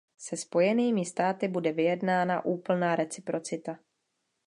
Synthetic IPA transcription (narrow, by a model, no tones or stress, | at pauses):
sɛspo̞jɛniːmɪst̪aːt̪ɪbudɛvɪjɛdnaːna̰ʔuːpl̩naːɾɛt͡sɪpɾo̞t͡sɪt̪a